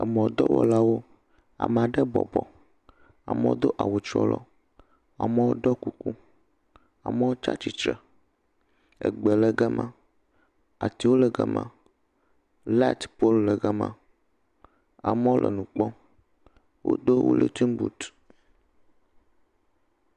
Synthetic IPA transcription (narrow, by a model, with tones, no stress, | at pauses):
ə˨mɔ̃˨d̪ɔ˦wɔ̰˨la˦wo˦ | a̰˨mɛ̃˨a˨ɖɛ˦bɔ̰˨bɔ˨ | a̰˨mɛ̰̃˦wo̰˦d̪o˦ʔa˨wo˨t͡ʃɾɔ̰˦lɔ˦ | a˨mə˦wo˦ɖɔ˦ku˦ku˦ | a˨mɛ˦wo˦t͡ʃa̰˦t͡ɕi˨t͡ʃɾɛ˨ | ə̰˨ɡ͡bɛ˨lə˨ɡɛ˦mã˦ | a˨t̪i˨wo˦lɛ˨ɡɛ˨mã̰˨ | la˦t̪po˦llə˨ɡɛ˦mã̰˦ | a˨mɛ˦wo˦lʔə̰˨nũ˨k͡pɔ˦ | wo̰˦d̪o˦wo̰˦lḛ˨t̪i˦mbṵ˨t̪